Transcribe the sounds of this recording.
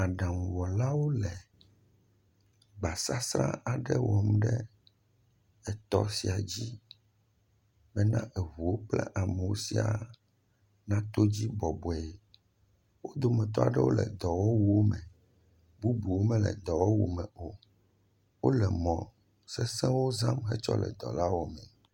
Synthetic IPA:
a˨ɖã˨ŋũ˨wɔ˨la˦wo˦lɛ˨ | ɡ͡ba˨sa˦sɾã̰˦ʔa˨ɖɛ˦wɔ˨m˦ɖɛ˦ | ɛ˨t̪ɔ̰˦si˨a˨d͡ʑi˦ | bɛ˦nã˦ʔɛ˨ɦu˨wo˦k͡plɛ̰˦ʔa˨mɛ˨wo˦si˨˦a̰˨ | nã˦t̪o˦d͡ʑi˦bɔ˨bɔ˨ɛ˨ | wo˦d̪o˨mɛ̃˨t̪̬ɔ˦a˨ɖɛ˦wo˦lɛ̰˨d̪ɔ˨wɔ˦wu˦o˦mɛ̃˨ | bu˦bu˨wo˦mɛ̃˦lɛ̰˨d̪ɔ˨wɔ˦wṵ˨mɛ̃˨o˨ | wo˦lɛ˨mɔ̃˨ | sɛ˦sɛ̃˦wo˦zã˦mɦɛ˦t͡ʃɔ̰˦lɛ̰˨d̪ɔ̰˨la˦wo˨mɛ̃˨

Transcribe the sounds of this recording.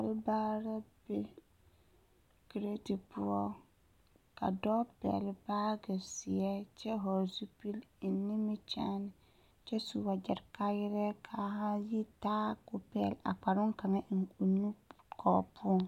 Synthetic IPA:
a˨ɾɪ˦baː˦ɾa˦b̥e˦ | ki˨ɾe˦ti˨pʊ˦ɔ˦ | ka̰˨dɔː˦pɛ̰˨lɪ˨baː˦ɡɛ˨sɪ˨ɛ˦t͡ʃɛ˦ɦɔ˨zu˦pi˦lnːi˦mi˦t͡ʃa˦nɪ˨ | t͡ʃɛ˦su˨wa˨d͡ʒɛ˨ɾka˦jɪ˦ɾɛ˦kʰa˨ha˦ji˦taː˦kʊ˨pɛ˦˨la̰˨k͡pa˨ɾʊ˦ŋka˨ŋɛ˦ʔŋ˨u˨nu˦kʰɔː˨pʰʊ˦˨ŋ

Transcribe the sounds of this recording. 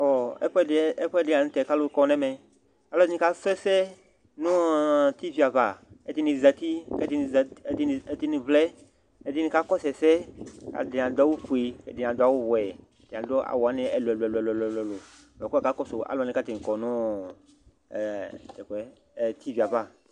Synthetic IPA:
ɔ˨ɛ̰˦ɸɛ˦˨e˦ɸdɪ˨˦ã˨ñ˨˦t̪ɛ˨ka˦lo˦kɔ˦nɛ̃˦mɛ̃˨ | a˨lɔ˦ĩ˦ka˦sɛ˦sɛ˦ | nũ˦t̪i˦vi˨a˨va˨e˦t̪i˦nĩ˨za˨t̪i˦kɛ˦t̪i˦n˨zd̪i˦n˨e˦t̪i˦nĩ˨vlɛ˦ | e˦di˦nĩ˨ka˦kɔ˦sɛ˨sɛ˦ka̰˨dɪ˨nã˨d̪ɔ˦wu˦ɸu˨e˨kḛ˨dɪ˨ã˨d̪a˦wo˦wɛ˨˦ | d̥ɪ˨ã˨d̪ɔ˦a̰˨wɔ˨a˦nɪ̃˦ɛ˨lo˨ɛ˨lo˨ɛ˨lo˨ɛ˨llo˨ɛ˨lɛ˨lo˨ | ɛ˨kka˦kɔ˦so˨a̰˨lɔ˨nĩ˦ka˦t̪e˨nĩ˨kɔ˨nʊ̃˦˨ | t̪ɛ˨kɛ˦˨ | t̪i˦vi˨a˨va˦˨

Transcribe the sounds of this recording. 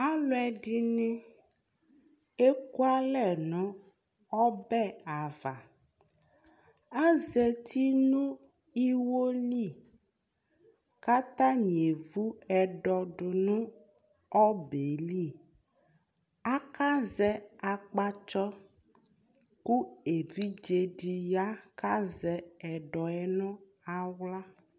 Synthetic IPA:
a˦lʊ˦ɛ˨ɖɪ˦nɪ̃˦ | e˦ku˦a˦lɛ˦˨nʊ̃˨˦ | ɔ˦bɛ˦a˨va˨ | a˦zɛ˨t̪ʰi˦nʊ̃˦ | i˦wo˦li˦˨ | ka˦t̪a˦ɲ˨e˨vu˦ɛ˨ɖɔ˨ɖʊ˨nũ˦ | ɔ˦be˨li˦˨ | a˦ka˦zɛ˦a˨k͡pa˦t͡ʃɔ˦ | ku˦e˨vi˦d͡ʒe˨ɖi˨ja˦ka˦zɛ˦ɛ˨ɖɔ˨ɛ˦nɔ̃˦ | a˨wla˦

